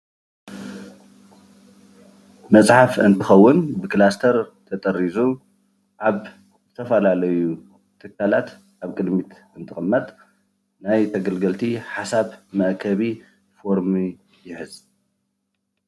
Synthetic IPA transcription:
mɐt͡sʼħafɨnt̪ʰɨxɐwːʊnbɨklast̪ʰɐɾt̪ʰɐt̪ʼɐɾːizu | ʔaβ | zɨt̪ʰɐfɐlalɐju | t̪ʰɨkʰːalat̪ | ʔaβkʼɨd̪mit̪ | ɨnt̪ʰɨxʼɨmːɐt̪ʼ | najt̪ʰɐɡɐlɡɐlt̪ʰiħasaβmɐʔkʰɐβi | fo̞ɾmi | jɪħɨz̥

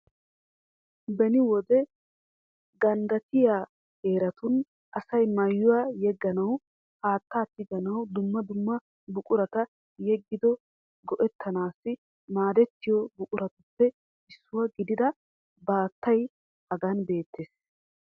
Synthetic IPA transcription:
bɛnɪwɔd̪ɛ | ɡɐnd̪ɐt̪ɪjaː | heːɾɐt̪ʊn | ʔɐsɐjmɐjːʊwajɛɡːɐnɐw | haːt̪ːaːt̪ːɪɡɐnɐwd̪ʊmːɐd̪ʊmːɐ | bʊkʼʊɾɐt̪ɐ | jɛɡːɪd̪ɔ | ɡɔʔɛt̪ʰːɐnaːsːɪ | maːd̪ɛt̪ːɪjɔbʊkʼʊɾɐt̪ʊpːɛ | ɪsːʊwɐɡɪd̪ɪd̪ɐ | baːt̪ːɐj | hɐɡɐnbe̞ːt̪ːeːs

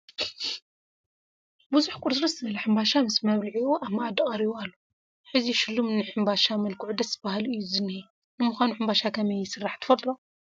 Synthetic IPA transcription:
buzuħkʼuɾsɾɐsɨɐlɐħɨmbaʃamɨsmɐβliʕiuʔamːaad̪ɨkʼɐɾiβalːu | ħɨziʃɨlːumɨnːɨħɨmbaʃamɐlkʰuʕud̪ɐszɨbaɦalɨjːuzɨnːɨhi | nɨmʊxanuħɨmbaʃakʰɐmɐjːɪsɨrːaħt̪ʰɨ̥fɐt̪ʼɾo

